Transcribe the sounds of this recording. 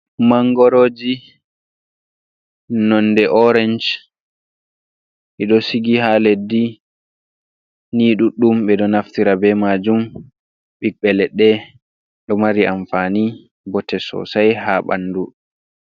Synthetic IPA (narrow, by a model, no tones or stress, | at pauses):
maŋɡɔɾoːd͡ʒi | nɔndɛʔɔɾɛnd͡ʒ | ʔɛɗɔsiɡihaledːi | niːɗuɗumɓɛɗɔnaftiɾabɛmad͡ʒum | ɓikɓɛlɛɗɛ | ɗɔmaɾiʔaɱfani | bɔtɛsɔ̰sajhaɓa̰nːdu